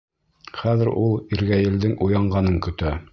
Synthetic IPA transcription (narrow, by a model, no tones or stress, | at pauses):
χæðɘ̆ɾulˠiɾɡæjɘ̆ld̪ɘŋujɑɴɢɑnɤŋkɵ̆t̪æ